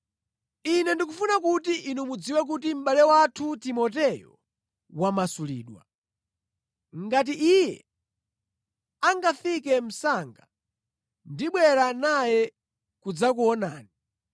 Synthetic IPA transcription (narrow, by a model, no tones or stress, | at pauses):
inɛndikufunakutiʔinumud͡ziwɛk̬ut̬im̩ɓalɛwatʰutimɔt̬ɛjɔ̰ | wamasulḭːɗwa̰ | ŋɡat̬iʔijɛ | aŋɡafik̬ɛm̩saŋɡa | ndiɓwɛɾanajɛ | kud͡zak̬uɔna̰ːni